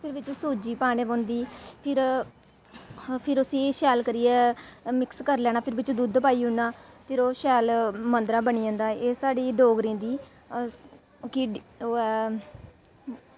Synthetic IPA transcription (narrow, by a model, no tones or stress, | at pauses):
pʰɪɾʋɪt͡ʃsuːd͡ʒiːpaːɽeːboːnd̪iːpʰɪɾ | pʰɪɾʊsĩːʃɛːlkəɾiːɛːmɪkskəɾlɛːnaːpʰɪɾbɪt͡ʃd̪ud̪paːiːɦʊnaːpʰɪɾoːʃɛːlmənd̪ɾãːbəniːãːnd̪aːeːsaːɖiːɖoːɡɾĩːd̪iː | kɪoːɛː